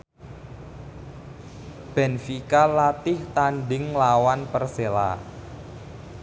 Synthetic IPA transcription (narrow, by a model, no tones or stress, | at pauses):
b̥ɛ̤nfikalat̪ɪht̪anɖɪŋlawanpərsela̰